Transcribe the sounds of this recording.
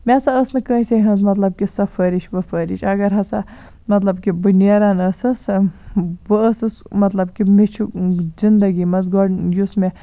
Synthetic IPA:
mʲesaəsnɨkə̃ːĩsʲeɦɐ̃nz̬mɐt̪lɐb̚kisɐfʰəɾiʃʋɐfəɾiʃɐɡɐɾɦɐsa | mɐt̪lɐbkibɨnjaːɾanɐsɐs | bəəsɨsmɐt̪lɐbkimet͡ʃʰuzind̪ɐɡimɐzɡoɖjusme

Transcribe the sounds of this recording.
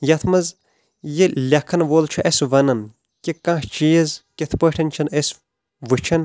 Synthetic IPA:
jɐt̪ʰmɐz | jelʲɐkʰːɐnʋoːlt͡ʃʰuʔesʋɐnɐn | kikãːht͡ʃijɐzkʲet̪ʰpəːʈʰɐnʲt͡ʃʰɐnes | ʋɨt͡ʃʰɐn

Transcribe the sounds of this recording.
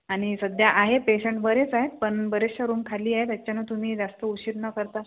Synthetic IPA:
aɽ̃isəd̪ʱjaʔaɦepeɕəɳʈbəɾet͡saɦet̪̚pəɳbəɾesaɾuːmkʰaliːaɦet̪jat͡ɕjanət̪um̤iːd͡zast̪əuɕiɾnəkəɾt̪a

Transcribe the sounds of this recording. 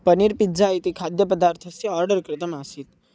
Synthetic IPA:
pəniɾpid͡zaːjt̪ikʰad̪jəpəd̪aːɾt̪ʰɐsiɔɾɖəɾkɾɪt̪əmasit̪

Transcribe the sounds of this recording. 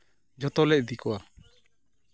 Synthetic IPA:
d͡ʒɔt̪ɔlɛc̚d̪ikɔwa

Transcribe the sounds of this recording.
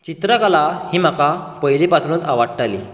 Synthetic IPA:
t͡ɕit̪ɾəkalahiːm̤akapəjlipat̪ʰɾũːnt̪aʋaɽʈaliː

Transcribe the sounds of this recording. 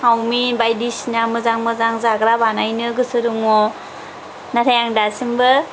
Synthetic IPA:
awmibajdisinamɯzaŋmɯzaŋzaɡɾabanajnɯɡɯsɯɾɯŋɔ | naɾʰajaŋdasimbɯ

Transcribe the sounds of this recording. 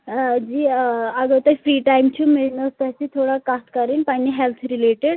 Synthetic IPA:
d͡ʑiːaɡəwt̪əjfɾiːʈajmt͡ɕʰuːmeɭnəst̪at͡ɕit̪ʰoɽakat̪kaɾiːnpaniɦelt̪ʰɾileʈeɽ

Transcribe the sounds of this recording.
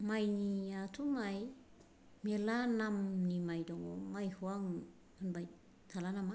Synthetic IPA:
majniatʰumaj | melanamnimajdɔŋomajhuaŋ | anbaj | tʰalanama

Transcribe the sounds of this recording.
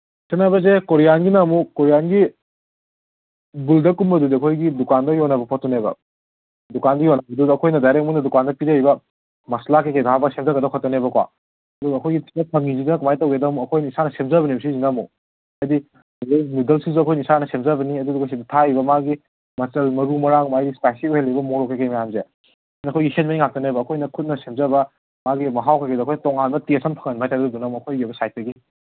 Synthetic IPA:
senːabɐzekoɾijanɡinamukoɾijanɡi | buldɐkumbɐdudiɐkʰojɡidukandɐjonɐbɐpʰɔtːɔnebɐ̰ | dukandɐjɔnɐbɐdudɐkʰojnɐdajɾek̚muŋndɐdukandɐpiɾejbɐ | mɐslakekejdɦabɐsep̚zɐɡɐdakʰɔtːɔnebɐkwa̰ | ɐduɡɐɐkʰojɡitʰiɐtʰɐŋizidunɐkumajtɐwedɐmuɐkʰojnisanɐsep̚zabɐnibs̬izinamṵ | ajdi | lemidɐlsizuɐkʰojnisanɐsemzɐbɐniɐduduɡɐs̬idɐtʰaibɐmaɡi | mɐt͡ʃɐlmɐɾumɐɾaŋkumajɡispajsiuhelːibɐmoɾokʰekejmɐjamze | niɐkʰojɡihenmɐniŋak̚tɐnejbɐːkʰojnɐkʰut̚nɐsemzɐbɐ | maɡimɐɦawkʰekedɐkʰojnɐtɔŋanbɐtiɐsɐmpʰɐŋɐnmajtadɐdunamuɐkʰojɡebɐsajt̚dɐɡi

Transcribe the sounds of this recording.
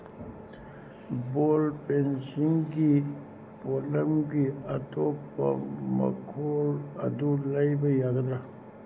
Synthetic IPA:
bolpensiŋɡi | poləmɡiɐt̪opːɐ̰mɐ̰kʰolɐd̪uləjbəjaɡəd̪ɾa

